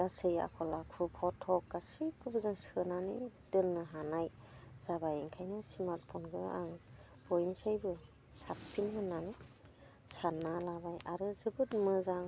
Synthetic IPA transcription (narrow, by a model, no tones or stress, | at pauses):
ɡasɯja̰kʰɔlakʰupʰɔtʰːɔk̚ɡasɯjkʰubɯzaŋsɯnanḭd̥ɯnːɯɦanajz̥abajeŋkʰajnɯsimaɾt̚pʰɔnɡɯa̰ŋ | b̥ɔjnsajbɯ | sapʰːinmɯnːanɯ | sanːalabajaɾɯzɯbɯt̚mɯzaŋ